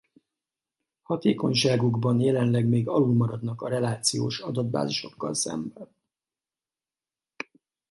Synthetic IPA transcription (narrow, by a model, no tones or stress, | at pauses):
hɒt̪eːko̞ɲʃaːɡuɡbɒnjɛlɛnlɛɡmeːɡɒlulmɒɾɒd̪nɒkɒɾɛlaːt̪sijo̰ːʃɒd̪ɒd̪̚ba̰ːziʃo̞̰kːɒ̰lsɛ̰mbɛn